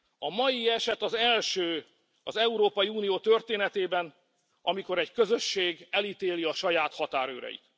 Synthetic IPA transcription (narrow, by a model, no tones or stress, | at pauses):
ɒmɒjiɛʃɛt̪ɒzɛlʃøː | ɒzɛuɾoːpɒjiuːnijoːt̪ø̞rt̪eːnɛt̪eːbɛn | ɒmiko̞ɾɛɟkø̞zø̞ʃːeːɡɛlit̪eːliɒʃɒjaːt̪hɒt̪aːɾø̰ːɾɛ̰jḭt̪